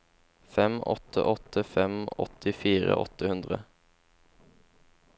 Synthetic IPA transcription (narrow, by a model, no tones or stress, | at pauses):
fɛmʔɔ̰t̪ʰə̰ʔɔt̪ʰəfɛmɔ̰t̪ʰɪfiːɾə̰ʔɔ̰t̪əhʉnd̪ʁə